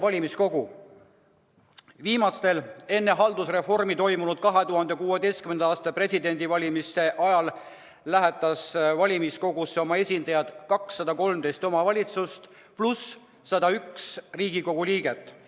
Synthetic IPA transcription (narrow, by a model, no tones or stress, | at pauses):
vɑlʲimisko̞ɡ̥u | viːmɑst̪e̞le̞nːe̞ɦɑld̪usre̞fo̞rmit̪o̞jmunud̪̥̚kɑɦe̞t̪uɦɑnd̪e̞kuːed̪e̞jst̪kymenɑɑːst̪ɑpre̞sʲid̪e̞nd̪ivɑlʲimise̞ʔɑjɑl | læɦɛt̪ːˑɑsvɑlʲimisko̞ɡusːeo̞mɑe̞sʲind̪̥ɑjɑd̪̥kɑksːɑd̪̥ɑko̞lmd̪e̞jst̪o̞mɑvɑlʲit̪sust̪ | plusː | ɑd̪̥ɑyksriːɡiko̞ɡ̥uliːɡe̞t̪ːˑ